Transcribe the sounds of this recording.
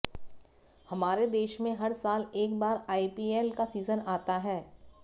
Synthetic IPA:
hɐmaːɾed̪eːʃmẽɦɐɾsaːleːkbaːɾaːipiːeːlkasiːzənaːt̪aɦɛː

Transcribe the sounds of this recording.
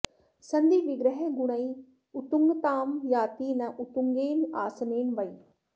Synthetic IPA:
sənd̪iːʋɪɡɾəɦɛɡʊɽ̃aːiː | ʊt̪ʊŋɡt̪aːmjaːt̪iːnãːʔʊt̪ʊŋɡeːnaːsneːnʋaːiː

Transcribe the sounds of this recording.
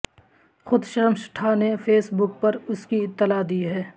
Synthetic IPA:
xʊd̪ʃəɾmʃʈʰanefʰeːsbʊk̚pɐɾʊskiɪt̪ːɪlad̪iɦɛː

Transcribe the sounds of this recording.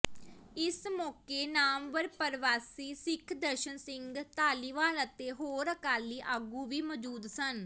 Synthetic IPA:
ɪsmɔːkeːnaːmʋəɾpəɾʋaːsiːsɪkʰd̪əɾʃənsɪŋɡt̪aːliːʋaːlət̪eːɦoːɾəkaːliːʔəɡũːʋiːməd͡ʒuːd̪sən

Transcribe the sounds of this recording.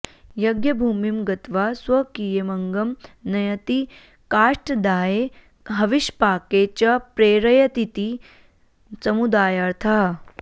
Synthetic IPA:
jɐɡjɐbʱuːmimɡɐt̪ʋaːswɐkijemɐŋɡɐmnɐjɐt̪i | kaːʂʈɐd̪aːje | ɦɐʋiʃpaːkeːt͡ʃɐpɾeːɾɐjɐt̪it̪i | sɐmud̪aːjɐɾt̪ʰɐɦɐ

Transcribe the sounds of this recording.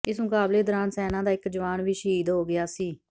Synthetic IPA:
ɪsmʊkaːbleːd̪əɾaːnsɛːnãːd̪aːɪkd͡ʒəʋaːnʋiːʃəɦiːd̪ɦoːɡɪjaːsiː

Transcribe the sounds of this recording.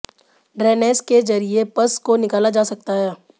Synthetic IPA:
ɖɾɛːneːsked͡ʒɐɾiepɐskonɪkaːlad͡ʒaːsɐk̚t̪aɦɛː

